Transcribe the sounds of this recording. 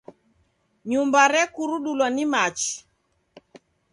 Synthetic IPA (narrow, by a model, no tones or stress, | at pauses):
ɲumbaɾɛkuɾuɗulwanimat͡ʃi̥